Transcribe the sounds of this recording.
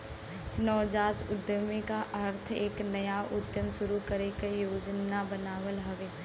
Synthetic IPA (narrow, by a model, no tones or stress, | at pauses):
nɔːd͡ʒaːsʊd̪jəmẽkaʔɐɾt̪ʰeːknɐjaʔʊd̪jəmʃʊɾukəɾekejoːd͡ʒnabənaːʋəlɦɐʋeː